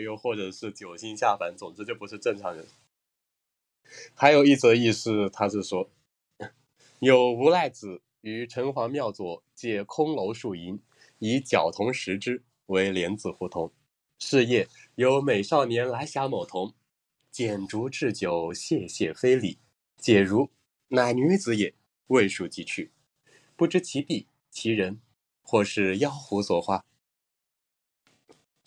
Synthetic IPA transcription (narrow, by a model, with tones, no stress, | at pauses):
jo˧ʊxwɔ˥˩ʈ͡ʂɤ˨˩ʂɻ̩˥˩t͡ɕjo˨˩ʊɕi˥nɕja˥˩fa˧˥nt͡sʊ˨˩ŋt͡s̩˥˧t͡ɕjo˥˩ʊpu˧˥ʂɻ̩˥˧ʈ͡ʂɤ˥˩ŋʈ͡ʂʰɑ˧˥ŋdə˧ | xa˧˥ɪjo˨˩ʊi˥˩t͡s̩̪˧ə˧i˥˧sɹ̩˧t̪ʰa˥ʂɻ̩˥˩ʂwɔ˥ | jo˨˩ʊu˧˥la˥˩ɪt͡sɹ̩˨˩˦ | y˧˥ʈ͡ʂʰɤ˧˥ŋfɑ˧˥ŋmjɑ˥˩ʊt͡swɔ˨˩t͡ɕjɛ˥˩kʰʊ˥ŋlo˧˥ʊʂu˥˩i˧˥n | i˧˥t͡ɕjɑ˨˩ʊt̪ʰʊ˧˥ŋʂɻ̩˧˥ʈ͡ʂɻ̩˥ | we˧˥ɪljɛ˧˥nt͡sɹ̩˨˩xu˧˩t̪ʰʊ˧˥ŋ | ʂɻ̩˥˧jɛ˥˩jo˧˥ʊme˨˩ɪʂɑ˥˩ʊnjɛ˧˥nla˧˥ɪɕja˧˥mo˨˩t̪ʰʊ˧˥ŋ | t͡ɕjɛ˨˩nʈ͡ʂu˧˥ʈ͡ʂɻ̩˥˩t͡ɕjo˨˩ʊɕjɛ˥˧ɕjɛ˥˩fe˥ɪli˨˩˦ | t͡ɕjɛ˨˩ɻu˧˥ | na˨˩ɪny˧˥t͡sɹ̩˧˥jɛ˥˨˩ | we˥˧ɪʂu˥˩t͡ɕi˥˩t͡ɕʰy˥˩ | pu˥˩ʈ͡ʂɻ̩˧˥t͡ɕʰi˧˥t̪i˥˩ | t͡ɕʰi˧˥ɻə˧˥n | xwɔ˥˧ʂɻ̩˥˩jɑ˥ʊxu˧˥swɔ˨˩xwa˥˩